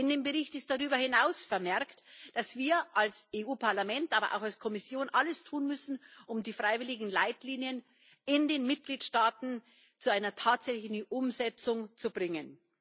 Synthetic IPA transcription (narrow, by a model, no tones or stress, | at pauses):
ɪndeːmbəʁɪçtɪst̚d̥aʁyːbɐhɪnaʊsfɛɐmɛɐktd̥asv̥iːɐʔalsʔeʔuːpʰaɐlamɛntʔaːbɐ̰ʔa̰ʊxalskʰɔmɪsjoːnʔaləstʰuːnmʏsn̩ʔʊmdiːfʁ̥aɪvɪlɪɡŋ̩laɪtliːnjən | ɪndeːnmɪt̚ɡ̥liːtʃtaːtn̩ | t͡suaɪnɐtʰaːtz̥ɛçlɪçn̩ʔʊmzɛt͡sʊŋt͡subʁɪŋən